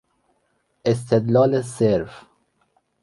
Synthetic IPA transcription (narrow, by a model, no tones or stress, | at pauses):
es̬t̪ʰed̪lɑːleseɾf